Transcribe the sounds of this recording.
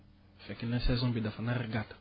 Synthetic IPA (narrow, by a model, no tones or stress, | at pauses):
fɛkɛlɛ̃sɛzɔ̃bidafanaɾiɡat̪